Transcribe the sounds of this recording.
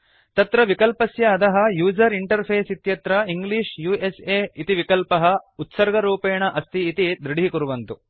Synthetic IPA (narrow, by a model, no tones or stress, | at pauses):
t̪ɐt̪ɾɐʋikɐlpɐsjɐːd̪ɐɦɐ̆juːd͡ʒɐɾiɳʈɐɾpʰeːsit̪jɐt̪ɾɐiŋɡliːʂjuːeseːit̪iʋikɐlpɐɦɐut̪sɐɾɡɐɾuːpeːɳɐʔɐst̪ʰiːt̪id̪ɾiɽiikuɾuʋɐnt̪u